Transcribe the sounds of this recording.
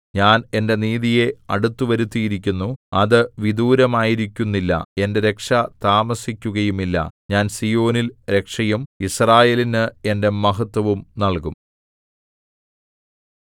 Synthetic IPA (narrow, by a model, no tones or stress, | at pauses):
ɲaːne̞nde̞niːðije̞ɐ̰ɽut̪ːuʋɐɾut̪ːijiɾikʲːunːuɐðɨʋid̪uːɾɐmaːjiɾikʲːunːilːɐ̰e̞ndeɾe̞kʂɐt̪aːmɐsikʲːuɣɐjumilːɐ̰ɲaːnsijo̞ːnilɾe̞kʂɐjumisraːje̞ːlinɨe̞nde̞mɐɦɐt̪ːwɐʋumnɐɭkum